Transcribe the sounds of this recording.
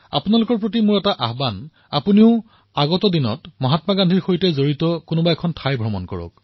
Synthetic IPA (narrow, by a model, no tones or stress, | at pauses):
a̰punalʊkɔɹpɹotimʊɹɛtaʔaɦban | a̰puniʊ | aɡɔtɔdinɔ̰tmɔɦatmaɡandʱiɹxojtɛzoɹitɔkʊnʊbaɛkʰɔntʰajbʱɹɔmɔ̰nkɔ̰ɹɔ̰k̚